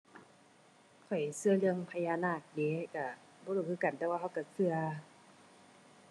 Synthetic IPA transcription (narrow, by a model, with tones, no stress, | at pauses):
kʰɔ˨˩jsɯ˧ɐlɯ˧əŋpʰa˧jaː˧˨naː˧˩k̚de˨˦˨ka˧˩ | bɔː˧˦luː˧˩kʰɯː˧ka˨˩nt̪ɛː˧waː˧ɦa˧wka˧˩sɯ˧ɐ